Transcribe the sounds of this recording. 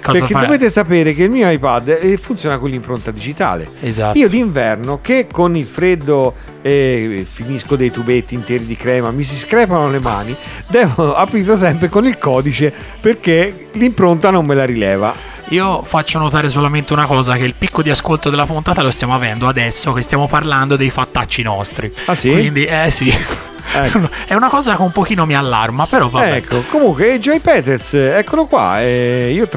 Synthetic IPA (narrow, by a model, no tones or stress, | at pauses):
kːɔpekzaked̪oveːt̪̬esapeːɾekeilmiːoajpad̪ːɛfːunt̪sjoːnakonlːimpɾont̪ad̪id͡ʒit̪a̰ːlḛezaiːod̪iːɱvɛrnokekːonilfɾed̪ːo | efiniskod̪ejt̪ubet̪ːiːnt̪ɛːɾid̪ikɾɛːmamis̬iskɾɛːpanolema̰ːni | d̪ɛːvoapɾiːɾlos̬ɛmpɾekonilkɔːd̪it͡ʃe | perke | limpɾont̪anomːelaɾilɛːva̰ | iːofat͡ʃːonot̪aːɾes̬olament̪eunakɔːzak̟eilpikːod̪iaskolt̪od̪elːapunt̪aːt̪alost̪jaːmoavɛnd̪oad̪ɛsːokest̪jaːmoparland̪od̪ejfat̪ːat͡ʃːinɔst̪ɾiasikwind̪iɛsi | ɛnɛunakɔːzakeumpok̟iːnomialːa̰rmapeɾɔvabɛkːokomuŋkwed͡ʒajpɛːt̪eɾsɛkːolokwa̰ɛiːo